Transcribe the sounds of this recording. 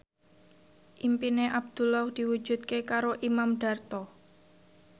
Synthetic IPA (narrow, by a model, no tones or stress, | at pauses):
ʔimpineʔab̚d̪̥ulɔhd̪̥i̤wu̥ʒ̥ṳdt̪̚kekaɾoʔimamɖ̥a̤rt̪ɔ